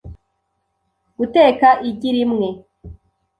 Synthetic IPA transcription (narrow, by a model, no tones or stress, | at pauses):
ɡ̥uteːkaʔiɟiɾimŋe̞